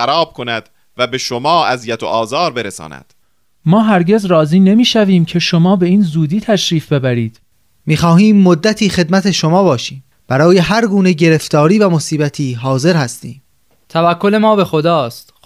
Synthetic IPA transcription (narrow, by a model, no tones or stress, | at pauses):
xæɾɒːb̥̚kʰo̞næd̪ | væbe̞ʃomɒːʔæzijæt̪ʰo̰ʔɒːzɒːɾbe̞ɾesɒ̰ːnæ̰d̪̥ | mɒːɦæɾɟe̞zrɒːziːne̞miːʃæviːmcʰe̞ʃomɒːbe̞iːnzuːd̪iːt̪ʰæʃɾiːfbe̞bæɾiːd̪̥ | miːxɒːhiːmːod̪ːæt̪ʰiːxe̞d̪mæt̪ʰeʃomɒːbɒːʃiːm | b̥æɾɒːje̞ɦæɾɡuːneɟe̞ɾe̞ft̪ɒːɾiːvæmosiːbæt̪ʰiːɦɒːze̞ɾhæst̪iːm | t̪ʰævækʰːole̞mɒːbe̞xod̪ɒːst̪